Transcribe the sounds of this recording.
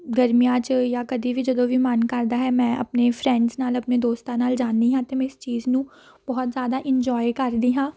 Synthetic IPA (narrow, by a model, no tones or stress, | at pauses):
ɡəɾmijãːt͡ʃjaːkəd̪iːʋiːd͡ʒəd̪oːʋimənkəɾd̪aːɦɛːmɛ̃ːʔə̰pneːpʰɾɛ̃ːɳɖznaːləpneːd̪oːst̪ãːnaːld͡ʒaːnd̪iːɦãːt̪eːmɛ̃ɪst͡ʃiːznũː | b̥ɔɦɔt̪zjaːd̪aːʔɪɲd͡ʒɔːjkəɾd̪iːɦãː